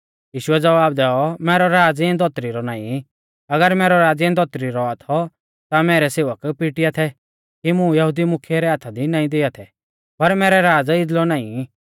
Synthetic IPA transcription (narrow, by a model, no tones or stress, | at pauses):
jiːʃʊɛd͡zɐʋaːb̚d̪ɛːɔmɛːɾɔɾaːd͡zɛ̃nd̪ɔt̪ɾiɾɔnaːĩ | ɐɡəɾmɛːɾɔɾaːd͡zɛ̃nd̪ɔt̪ɾiɾɔat̪ʰɔ | t̪amɛːɾɛseːʋəkpɪʈijat̪ʰɛ | kimʊ̃jɐɦʊd̪imʊkʰjɛɾɛaːt̪ʰad̪inaːĩd̪eːat̪ʰɛ | pɐɾmɛːɾɛɾaːd͡zɪd̪lɔnaːĩ